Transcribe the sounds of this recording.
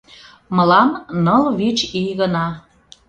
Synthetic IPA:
mə̆lɑmnəlβit͡ɕijɣənɑ

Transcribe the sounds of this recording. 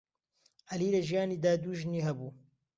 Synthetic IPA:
ʔɐliːlɐʒijaːniːd̪aːd̪uːʒniːɦɐbuː

